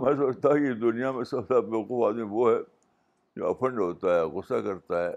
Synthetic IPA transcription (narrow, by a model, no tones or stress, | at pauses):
mɛ̃ːsɐːɐd͡ʒt̪aɦkid̪ʊnijamẽsɐd̪abequːfaːd̪mĩʋoɦɛ | d͡ʒo̰ːɐ̰fə̃ɳɖɦoːt̪aɦɛːɣʊsːakɐɾt̪aɦɛː